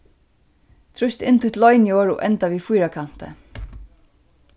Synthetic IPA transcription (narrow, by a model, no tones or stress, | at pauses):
t̪ʰɹʊst̪ɪ̰nt̪ʰʊjt̪lɔjnijoːɹɔ̰ʔɛnt̪aʋiːfʊjɾakʰan̥t̪ə̰